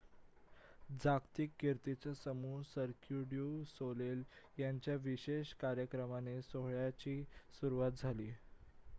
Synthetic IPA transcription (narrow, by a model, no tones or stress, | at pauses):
d͡zakt̪ikːeɾt̪it͡sasəmuːsəɾkʰjuɽjusoleljaɲt͡ɕjaʋiɕeɕkaɾjəkɾəmanesoɦɭjat͡ɕiːsuɾuʋat̪̚d͡zʱaliː